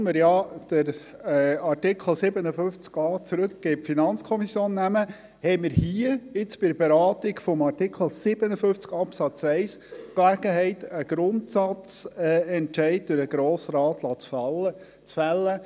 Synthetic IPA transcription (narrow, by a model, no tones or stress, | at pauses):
məɾjɑd̥əɾ | ɑrtɪkʰχl̩ˠsɪbənəfɵft͡skɑːt͡sɾɵkɡ̥eːpfinɑnt͡skʰɔmisjoːnːæmə | hɛɪməɾhiəɪt͡sb̥ɪdəbeɾɑːt̪iɡfɔmɑrtɪkʰl̩ˠsɪb̥ənəfʏft͡skɑpsɑt͡sɛɪsklæɡ̥əɦɛɪt̪əɡ̥ɾʊntsɑt͡sɛɛntʃɛɪd̚d̪̥ʊɾəɡɾoːsɾɑːt̪lɑːt͡sfɑlə | t͡sfælːə